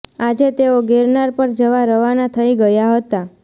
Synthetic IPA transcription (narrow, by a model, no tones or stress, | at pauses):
ad͡ʒet̪eoɡeɾnaɾpəɾd͡ʒəʋaɾəʋanat̪ʰəiɡəjaɦət̪a